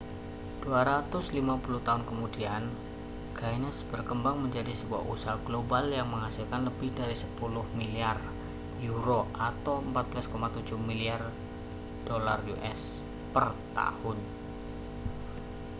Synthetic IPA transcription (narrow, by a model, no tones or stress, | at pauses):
d̥uaɾat̪ʊslimapuluht̪aɦʊnkəmudian | ɡajnəsbərkəmbaŋməɲd͡ʒadisəbua̰ṵsaɦaɡ̥lobaljaŋməŋasilkanləbɪhdaɾisəpulʊhmiliar | juɾoʔat̪awəmpat̪̚b̥əlaskomat̪ud͡ʒʊhmiliar | d̥ola̰rjuʔɛs | pərt̪a̰hʊn